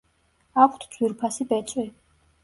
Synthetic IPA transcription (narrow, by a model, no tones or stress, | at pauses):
akʷʰt̪ʰd̪z̥wiɾpʰasibɛt̪sʼwi